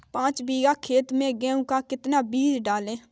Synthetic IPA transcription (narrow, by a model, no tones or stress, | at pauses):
pãːt͡ʃbiːɡaːkʰeːt̪mẽːɡẽːũkaːkɪt̪naːbiːɾɖaːlẽː